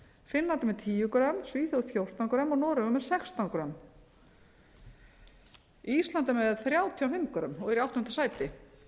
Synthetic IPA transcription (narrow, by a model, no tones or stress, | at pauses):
fɪnlant̪amɛðt̪ʰiːjʏkɾœmsviːθowfjowr̥t̪awnkɾœmɔɣnɔːɾʏvʏmːɛðsɛxst̪awnkɾœm | iist̪lant̪amɛðθɾjawt̪ʰiawfɪmkɾœ̰mɔɣɛɾiawht̪ɔnnt̪ḁsaːjt̪ɪ